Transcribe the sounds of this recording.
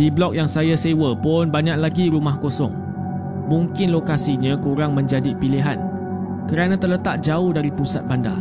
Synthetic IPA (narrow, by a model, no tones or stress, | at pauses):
diblɔk̚jaŋsajasewəpʊnbaɲãk̚laɡiɾumahkosɔ̰ŋ | mũŋkɪnlokasiɲãkuɾaŋmə̃ɲd͡ʒadipiliɦan | kəɾanãt̪ərlət̪aʔ̚d͡ʒaʊhdaɾipusat̪̚banda̰